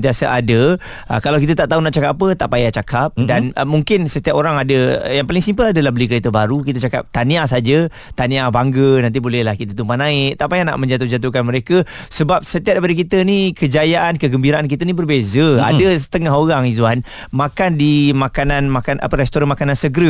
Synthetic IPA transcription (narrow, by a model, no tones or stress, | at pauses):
ənt̪iasa̰ʔadə | ə̰kalawk̬it̪ət̪aʔt̪aunaʔt͡ʃakapapət̪aʔpajat͡ʃakʰap̚danəmuŋkɪnsət̪iapoɾaŋadəjaŋpalɪŋsimpəladalahbəlikəɾet̪əbaɾukit̪̬ət͡ʃakap̚t̪aniasad͡ʒə | t̪aniabaŋɡənant̪̬ibolɛhlahkit̪ət̪umpanãɪʔt̪aʔpajana̰ʔmə̃ɲd͡ʒat̪̬ud͡ʒat̪̬ukanməɾekə | səbap̚sət̪iat̪̚əpadək̬it̪ənikəd͡ʒajaʔankəɡəmbiɾaʔank̬it̪ənĩbərbezəa̰dəs̬ə̥t̪əŋaɦoɣaŋizuan | makandimakananmakana̰pəɾɛst̪oɾanmakanãnsəɡɾə